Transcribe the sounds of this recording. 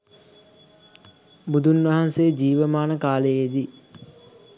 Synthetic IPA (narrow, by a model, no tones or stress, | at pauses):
bud̪unʋɐɦansejəd͡ʒiːʋəmaːnəkaːləjed̪i